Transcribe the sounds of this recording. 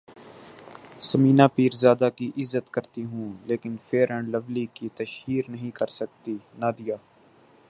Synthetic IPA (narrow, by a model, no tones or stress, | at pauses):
səmĩːnaːpiːɾzjaːd̪akiʔɪzːət̪kəɾt̪iɦũːleːkɪnfʰeːɾə̃ɳləʋlikit̪əʃhiːɾnəɦĩkəɾsək̚t̪inad̪ɪjaː